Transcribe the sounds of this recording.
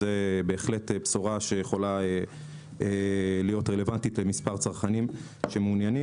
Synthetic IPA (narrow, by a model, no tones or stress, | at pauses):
ebe̞ːχle̞tepsoʁaʃejeχo̞lae | elijo̞tʁele̞vantitlemispaʁt͡saʁχanim | ʃe̞meunjani